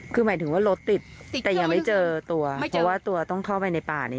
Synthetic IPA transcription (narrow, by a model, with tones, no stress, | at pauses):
kʰɯː˧maː˩˦jt̪ʰɯ˩˦waː˥˩lo˦˥t̪ːi˨˩t̪̚t̪ɛː˨˩ja˧ŋma˥˩jt͡ɕɤː˧t̪u˧ɐpʰɾɔ˦˥waː˥˩t̪u˧ɐt̪ɔ˥˩ŋkʰa˥˩wpa˧jna˧jpaː˨˩na˦